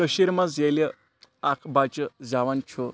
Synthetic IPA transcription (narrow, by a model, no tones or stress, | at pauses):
əɕiɾmat͡seljə | akʰbat͡ɕəd͡zaʋant͡ɕʰo